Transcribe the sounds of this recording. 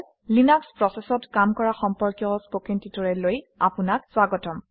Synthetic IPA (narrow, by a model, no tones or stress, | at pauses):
linakspɹɔsɛsɔtkamkɔɹaxɔmpɔɹkjɔspokintitɔɹɛloj | apunakswaɡɔtɔm